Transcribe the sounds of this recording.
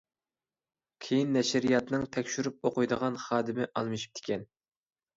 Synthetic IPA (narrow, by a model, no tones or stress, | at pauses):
kʲʰejinːɛʃɾijɑt̪nɨŋt̪ʰɛkʲʃyɾyp̚oqʊjd̪əʁɑnχɑːd̪ɨmɪʔɑlˠmɨʃi̥p̚t̪ʰɪ̥kʲɛn